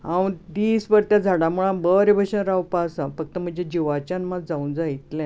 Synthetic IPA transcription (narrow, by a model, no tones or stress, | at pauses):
ɦãwũd̪iːsbəɾt̪jad͡zʱaɽãmuɭãbəɾebʱəɕənɾawpasə̃fək̚t̪əm̤əɳnd͡ʑed͡ʑiʋat͡ɕanmad͡zaũnd͡zait̪lẽ